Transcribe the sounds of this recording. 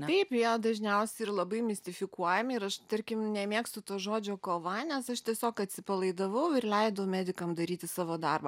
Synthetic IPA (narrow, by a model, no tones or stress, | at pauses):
t̪ɐɪpjid̪ɐʒʲnʲɛʊsʲɛɪrlˠɐbɐɪmʲɪsʲt̪ʲɪfʲɪkuɔjɛmʲɪɾɐʃt̪ɐɾʲkʲɪmnʲɛmʲiɛkst̪ʊt̪oːʒoːd͡ʒʲoːkoːʋɐnʲɛsɐʃt̪ʲiɛsʲoːkɐt̪ʲsʲɪpɐlˠɐɪd̪ɐʋɐʊɪrlʲɛɪd̪ɐʊmʲæːd̪ʲɪkɐmd̪ɐɾʲiːt̪ʲɪsɑːʋoːd̪ɐrbɐ